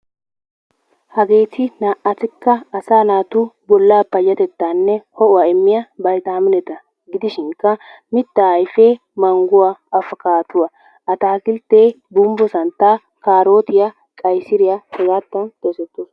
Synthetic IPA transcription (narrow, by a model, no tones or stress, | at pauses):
hɐɡe̞ːt̪ʰɪnaːʔɐt̪ɪkːɐɐsaːnaːt̪uːbɔlːaːpːɐjɐt̪ɛt̪ːaːnːɛhɔʔʊɐɛmːɪjɐbɐjt̪aːmɪnɛt̪ɐ | ɡɪd̪ɪʃɪŋkːɐ | mɪt̪ːajfeː | mɐŋɡʊwaɐfɐkaːt̪ʊɐ | ɐt̪aːkɪlt̪eː | bʊmbɔsɐnt̪aː | kaːɾo̞ːt̪ɪjɐ | kʼɐjsɪɾɪjɐsɛɡaːt̪ːɐnt̪esɛt̪ːʊ